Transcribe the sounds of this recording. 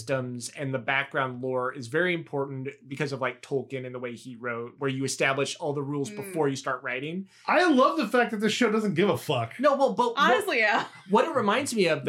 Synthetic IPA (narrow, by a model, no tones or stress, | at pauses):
stə̃mzɨ̃nðɨbæk̚ɡ̥ɹãʊ̃ndˡlɔɹɪzvɛɹiɨ̃mpʰɔɹʔn̩b̥ɨkʰʌzʌvlaɪk̚tʰoʊlˠkɨ̃nɨ̃nðəweɪiɹoʊt̚wə˞jɨɨstæblɨʃɔlˠðəɹulˠzbəfɔɹjɨstɑɹt̚ɹaɪɾɪ̃ŋ | ʔaɪlʌvðəfæk̚ðɨt̪̚ðɪsʃoʊdʌz̃n̩ɡ̥ɪvəfʌknoʊwɛlˠbʌt̚ɑnɨslijæ | wʌɾɨt̚ɹɨmãɪ̃ndzmiʌvð